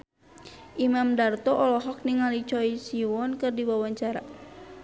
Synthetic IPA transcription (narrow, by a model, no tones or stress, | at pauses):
ʔimamdart̪ɔʔɔlɔɦɔk̚niŋalit͡ʃɔisiwɔnkɨrdiwawaɲt͡ʃaɾa